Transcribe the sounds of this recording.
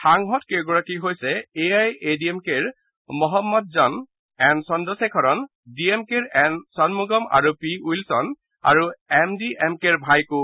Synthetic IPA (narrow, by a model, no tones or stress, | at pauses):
tʰaŋɦɔtkeɡɔɹakiɦojsɛeajediɛmkeɹ | mɔɦɔmːɔt̚zɔn | ɛnsɔndɔsɛkʰɔɹɔn | diɛmkeɹɛnsɔnmuɡɔma̰ɹupiujlsɔn | a̰ɹuɛmdiʔɛmkeɹbʱajkʊ